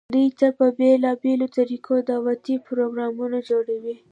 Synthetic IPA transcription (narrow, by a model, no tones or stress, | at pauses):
d̪ujt̪apəbelɑbelot̪aɾikʰod̪ɑwat̪ipɾoɡɾɑmunad͡ʒoɽawi